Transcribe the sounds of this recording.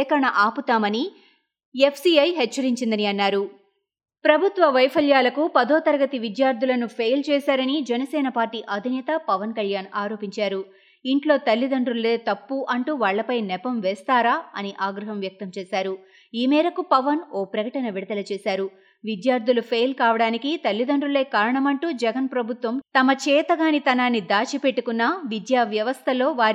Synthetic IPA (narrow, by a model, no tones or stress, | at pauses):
kɐɾɐɳɐʔaːput̪aːmɐni | epʰsiɐjɦɛt͡ʃːɐɾiɲt͡ʃind̪ɐniɐnːaːɾu | pɾɐbʱut̪ʋɐʋɐjpʰɐljaːlɐkupɐd̪ɔːt̪ɐɾɐɡɐt̪iʋid̪jaːɾd̪ʱulɐnupʰejlt͡ʃɛːsaːɾɐnid͡ʒɛnɐsɛːnɐpaːɾʈiːʔɐd̪ʱinɛːt̪ɐpɐʋɐnkɐljaːnaːɾo̞ːpiɲt͡ʃaːɾu | iɳʈlo̞ːt̪ɐlːid̪ɐɳɖɾulːeːt̪ɐpːuʔɐɳʈuːʋaːɭːɐpɐjnɛpɐmʋɛːst̪aːɾaːɐniʔaːɡɾɐɦɐmʋjɐk̚t̪ɐmt͡ʃɛːsaːɾu | iːmɛːɾɐkupɐʋɐnɔːpɾɐkɐʈɐnɐʋiɽɐd̪ɐlɐt͡ʃɛːsaːɾu | ʋid̪jaːɾd̪ʱulupʰejlkaːʋɐɽaːnikit̪ɐlːid̪ɐɳɖɾule̞ːkaːɾɐɳɐmɐɳʈuːd͡ʒɛɡɐnpɾɐbʱut̪ʋɐmt̪ɐmɐt͡ʃɛːt̪ɐɡaːnit̪ɐnaːnːid̪aːt͡ʃipeʈːukunːɐʋid̪jaːʋjɐʋɐst̪ʰɐlo̞ːʋaːɾ